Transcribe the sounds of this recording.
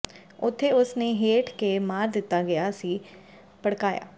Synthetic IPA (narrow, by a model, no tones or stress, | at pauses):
ʊt̪ʰːeːʊsneːɦeːʈkemaːɾd̪ɪt̪ːaːɡəjaːsiː | pəɽkaːja̰ː